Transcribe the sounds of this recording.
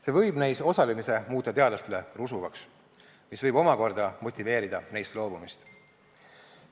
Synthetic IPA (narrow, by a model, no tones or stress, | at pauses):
se̞vɤjbnæjso̞sɑlemise̞muːt̪ːˑɑt̪e̞ɑd̪lɑst̪e̞le̞rusuvɑks | misvɤjbo̞mɑko̞rd̪ɑmo̞t̪ʲˑːive̞ːɾid̪̥ɑnejst̪lo̞ːbumist̪